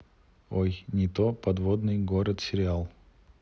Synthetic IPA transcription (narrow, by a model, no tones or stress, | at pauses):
ojnʲɪt̪opɐd̪vod̪nɨjɡoɾət̪sʲɪɾʲɪalˠ